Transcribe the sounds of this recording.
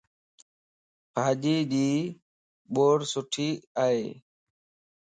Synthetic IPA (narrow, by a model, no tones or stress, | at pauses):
paːʄiːʄiː | ɓoːɽsʊʈʰiːaːɦeː